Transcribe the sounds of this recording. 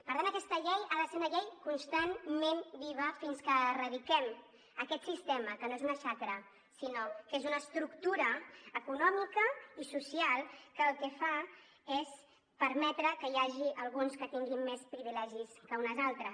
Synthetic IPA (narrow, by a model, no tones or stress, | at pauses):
pəɾðanːəkɛst̪əʎejaləseəʎejkunst̪anmenbiβ̞əfinskərəðikɛm | əkɛt̪sist̪eməkənoezunəʃakɾə | sinokezunəːst̪ɾukt̪uɾəːkunɔmikəisusialˠkəːlˠkɛfa | es | pəɾmɛt̪ɾəkəjaʒiʔəlˠɣunskət̪iŋɡimːespɾiβilɛʒiskəunəzalˠt̪ɾəs